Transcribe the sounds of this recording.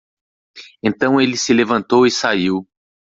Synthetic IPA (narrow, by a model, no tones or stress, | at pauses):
ẽnt̪ɐ̃w̃elɪsɪlevɐ̃nt̪owisaiw